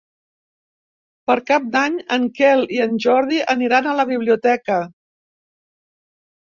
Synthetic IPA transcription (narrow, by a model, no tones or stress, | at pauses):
pəɾkap̚d̪aɲəŋkɛliənʲʒɔɾðiʔəniɾanələβ̞iβ̞liut̪ɛkə